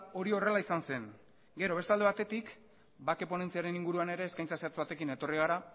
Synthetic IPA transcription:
o̞ɾio̞re̞laisanse̞ŋ | ɡe̞ɾo̞β̞e̞st̪ale̞β̞at̪e̞t̪ik | bake̞po̞ne̞nt͡siaɾe̞niŋɡuɾuane̞ɾe̞ːskajnt͡saseat͡sβat̪e̞kine̞t̪o̞riɣ̞aɾa

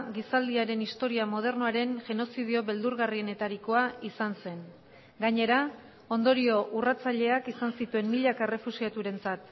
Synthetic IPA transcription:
ɡisald̪iaɾe̞nist̪o̞ɾiamo̞ð̞e̞rnoaɾe̞nʝe̞no̞sið̞io̞βe̞ld̪uɾɣarie̞ne̞t̪aɾiko̞aisanse̞n | ɡaɲe̞ɾa | o̞nd̪o̞ɾio̞ʔurat͡saʎe̞akisansit̪ue̞mmiʎakaere̞fusiat̪uɾe̞nt͡sat̪

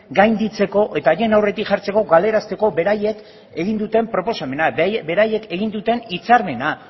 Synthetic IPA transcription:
ɡajnd̪it͡se̞ko̞ʔe̞t̪aje̞nawre̞t̪ikʝaɾt͡se̞ko̞ɡale̞ɾast̪e̞ko̞be̞ɾaje̞k | eɣ̞ind̪ut̪e̞mpɾo̞po̞same̞nabe̞ɾaje̞ke̞ɣind̪ut̪e̞nit͡saɾme̞na

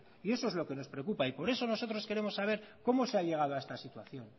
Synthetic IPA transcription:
ie̞so̞ezlo̞ke̞no̞spɾeokupaipo̞ɾe̞so̞no̞so̞t̪ɾo̞ske̞ɾe̞mo̞sːaβ̞e̞ɾko̞mo̞seaʎe̞ɣ̞að̞oaest̪asit̪waθjo̞n

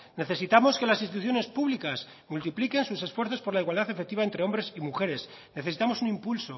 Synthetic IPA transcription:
ne̞θe̞sit̪amo̞ske̞lasinst̪it̪uθjo̞ne̞spuβlikas | mult̪iplike̞nsuse̞sfwe̞ɾθo̞spo̞ɾlaiɣwald̪aθe̞fek̚t̪iβaent̪ɾeo̞mbɾe̞simuxe̞ɾe̞s | ne̞θe̞sit̪amo̞sunĩmpulso̞

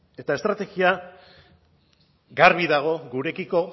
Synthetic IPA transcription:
e̞t̪ae̞st̪ɾat̪e̞ɣia | ɡaɾβiðaɣ̞o̞ɡuɾe̞kiko̞

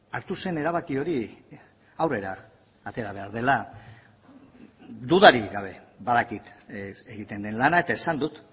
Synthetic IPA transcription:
aɾt̪use̞ne̞ɾaβ̞akio̞ɾi | awre̞ɾaː | t̪e̞ɾaβ̞e̞aɾð̞e̞la | d̪uðaɾiɣaβ̞e̞baðakit̪eɣit̪e̞nd̪e̞nlanae̞t̪ae̞sand̪ut̪

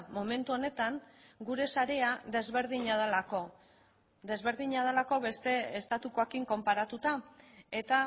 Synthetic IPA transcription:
mo̞me̞nt̪uo̞ne̞t̪aŋɡuɾe̞saɾe̞aðe̞zβe̞ɾðiɲaðelako̞ | ðe̞zβe̞ɾðiɲað̞elako̞βe̞st̪e̞ːst̪at̪uko̞ekiŋko̞mpaɾat̪ut̪ae̞t̪a

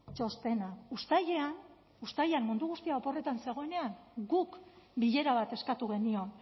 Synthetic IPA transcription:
t͡ʃo̞st̪e̞naust̪ajean | ust̪ajeanːund̪uɣ̞ust̪iaopo̞re̞t̪anse̞ɣ̞o̞e̞ne̞aŋɡukbiʎe̞ɾaβ̞at̪e̞skat̪uɣ̞e̞nio̞n

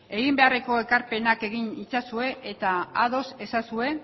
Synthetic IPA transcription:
e̞ɣimbe̞are̞ko̞ekaɾpe̞nake̞ɣinit͡sasue̞ʔet̪aaðo̞se̞sasue̞

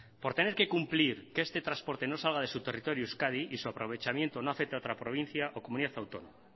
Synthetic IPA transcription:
po̞ɾt̪e̞ne̞ɾke̞kumpliɾkeest̪e̞t̪ɾaspo̞ɾt̪e̞no̞salɣ̞að̞e̞sut̪e̞rit̪o̞ɾjuuskað̞iisuapɾo̞β̞e̞t͡ʃamje̞nt̪o̞noafe̞k̚t̪eao̞t̪ɾapɾo̞β̞in̟θjaʔo̞komuniðaθawt̪o̞̰noma

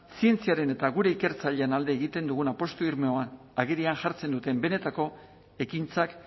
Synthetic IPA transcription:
sie̞nt͡siaɾe̞ne̞t̪aɣuɾe̞ike̞ɾt͡saʎeanald̪e̞ːɣit̪e̞nd̪uɣ̞unapo̞st̪oiɾmeoan | aɣeɾiaŋʝaɾt͡se̞nd̪ut̪e̞mbe̞ne̞t̪ako̞ | e̞kint͡sak

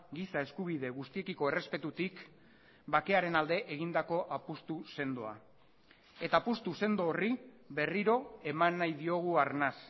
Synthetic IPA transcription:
ɡisae̞skuβ̞iðe̞ɣust̪ie̞kiko̞e̞re̞spe̞t̪ut̪ik | bake̞aɾe̞nald̪e̞ʔeɣ̞ind̪ako̞ʔapust̪use̞nd̪oa̰ | e̞t̪aːpust̪use̞nd̪oːri | βe̞riɾo̞e̞manːajðio̞ɣ̞uaɾnas

